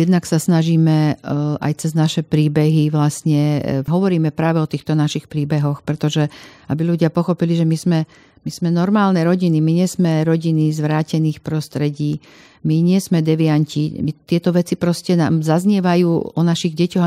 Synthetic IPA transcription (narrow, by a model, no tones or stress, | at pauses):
jɛd̪naksasnaʒiːmɛʔa̰jt͡sɛznaʃɛpɾiːbɛɦiʋlasɲɛɦɔʋɔɾiːmɛpɾaːʋɛɔt̪iːxt̪ɔnaʃixpɾiːbɛɦɔxpɾɛt̪ɔʒɛabiluɟɪapɔxɔpiliʒɛmizmɛ | miz̥mɛnɔɾmaːlnɛɾɔɟinimiɲɛzmɛɾɔɟinizʋɾaːcɛniːxpɾɔst̪ɾɛɟiː | miɲɪɛzmɛd̪ɛʋiaɲcimit̪ɪɛt̪ɔʋɛt͡sipɾɔscɛnaːmzazɲɛʋajuːɔnaʃiɣɟɛcɔɣ